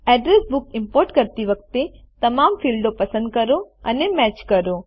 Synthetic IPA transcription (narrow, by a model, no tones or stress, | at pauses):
ɛːɖɾesbʊkɪ̃mpoːɾʈkɐɾt̪iʋɐk̚t̪e | t̪ɐmaːmfiːlɖopɐsə̃nd̪̚kɐɾoɐ̰nemɛːt͡ʃkɐɾo